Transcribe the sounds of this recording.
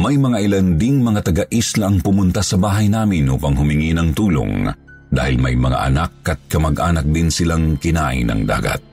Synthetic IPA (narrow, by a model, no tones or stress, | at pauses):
mɐjmɐŋaʔɪland̪ɪŋmɐŋat̪ɐɡaʔislaʔɐŋpʊmʊnt̪asɐbaːɦɐjnaːmɪnʔuːpɐŋɦʊmɪŋinɐŋt̪uːlo̰ŋ | d̪a̰ːhɪlmɐjmɐŋa̰ʔɐ̰nakːɐt̪̚kɐmɐɡʔa̰ːnɐk̚d̪ɪnsɪlaŋkɪnaːʔɪ̰nɐ̰ŋd̪a̰ːɡɐ̰t̪̚